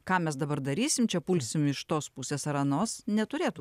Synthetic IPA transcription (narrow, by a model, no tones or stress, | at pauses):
kɑːmʲɛsd̪ɐbɐɾd̪ɐɾʲiːsʲɪmt͡ʃʲɛpuːlʲsʲɪmɪʃt̪oːspusʲeːsɐɾɐnoːsnʲɛt̪ʊɾʲeːt̪u